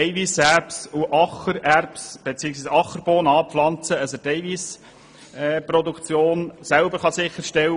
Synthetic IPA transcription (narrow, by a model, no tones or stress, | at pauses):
ɛjvisæɾpsuʔɑχəɾærpsb̥et͡siːəksʋiːsɑχəɾb̥oːnɑːpflɑnt͡səəsəd̥ɛɪʋis | ɛprɔd̪ukt͡sjoːnsælbəɾχɑsɪχəɾʃtɛw